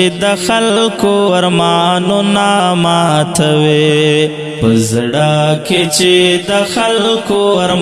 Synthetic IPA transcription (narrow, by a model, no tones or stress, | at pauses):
d̪əxallkoaɾmɑnonamɑt̪ʰawe | pəzɽaket͡ʃed̪əxalkoɾ